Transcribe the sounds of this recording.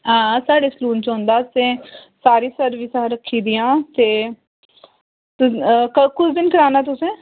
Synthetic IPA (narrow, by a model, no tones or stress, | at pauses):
ɦãːsaːɽeːsluːnt͡ʃɔ̃ːnd̪aːt̪sẽːsaːɾiːsəɾʋiːsaːɾəkʰːiːd̪ijãːt̪eː | t̪ʊkəkʊt͡ʃʰd̪ɪnkəɾaːnaːt̪̬ʊsẽː